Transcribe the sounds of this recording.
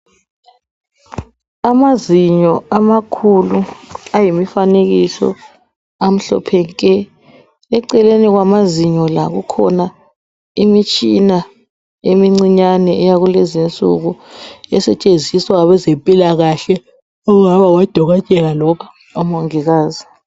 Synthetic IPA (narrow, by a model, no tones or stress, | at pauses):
amaziɲɔamakʰuluajimifaneɣisɔ̰ | am̩ɬɔ̰pʰɛŋkʼɛ | ɛǀɛleniɣwamaziɲɔlaɣukʰɔna | imit͡ʃʼina | emiŋ͡ǀiɲanɛʔɛjaɣulezint͡sʼṵɣuɛsɛt͡ʃʼend͡zʱiswaβɛzempʼilaɣaɬɛ | ɔŋaβawad̥ʱɔɣat͡ʃʼɛlalɔkʰḁ | ɔmoŋiɣaːzi